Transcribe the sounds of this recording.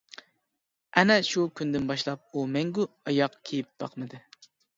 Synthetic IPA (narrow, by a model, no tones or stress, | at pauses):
ɛnɛʃukʲynd̪ɪnbɑʃlˠɑp̚umɛŋɡʲu | ɑjɑqkʲʰejip̚bɑqmɨd̪ɨ